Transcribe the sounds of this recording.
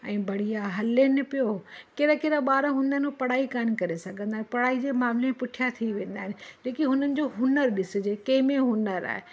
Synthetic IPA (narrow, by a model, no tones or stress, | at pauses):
ɛ̃ːbɐɽ̤ijaɦɐlenɪpijokeːɾakeːɾaɓaːɾaɦʊnənupɐɽaːikaːn̆kɐɾesɐɡʱə̃nd̪aːɦɪ̃pɐɽaːid͡ʑeːmaːmlẽpʊʈʰijat̪ʰiʋẽːn̆d̪aːɪnɪ̆leːkiɦʊnənɪ̆d͡ʑoɦʊnəɾɗɪsɪ̆d͡ʑeːkẽːmẽɦʊnəɾa̰ːɦe